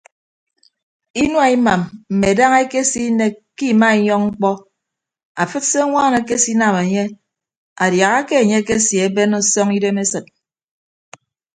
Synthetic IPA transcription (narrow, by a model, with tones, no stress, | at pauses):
i˦n˦a˦˨i˦ma˨mm̩˨me˨da˦ŋe˦ke˦si˦ne˦ki˦˨ma˦i˨ɲɔ˦ŋŋ͡m̩˦k͡pɔ˦ | a˨fɨ˦t̚se˦ŋʷaː˦ne˨ke˦si˦na˨me˨ɲe˦ | a˨dja˨ɣa˦ke˦e˨ɲe˦ke˦sje˨e˦be˦nɔ˦sɔ˦ŋi˦de˦me˦sɨ˨t̚